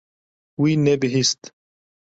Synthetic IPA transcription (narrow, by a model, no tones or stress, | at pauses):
winɛbɪɦist̪